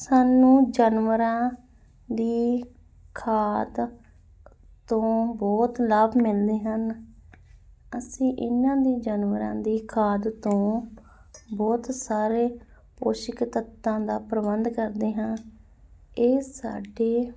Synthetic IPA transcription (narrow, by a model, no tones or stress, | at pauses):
saːnũːd͡ʒənʋəɾãː | d̪iː | kʰaːd̪ | t̪ːõːbɔːt̪laːbmɪld̪eːɦən | əsĩːʔɪnːãːd̪iːd͡ʒənʋəɾã̰ːd̪iːkʰaːd̪t̪õː | bɔːt̪saːɾeː | poːʃɪkt̪ət̪ːãːd̪aːpɾəbənd̪kəɾd̪eːɦãː | eːsa̰ːɖeː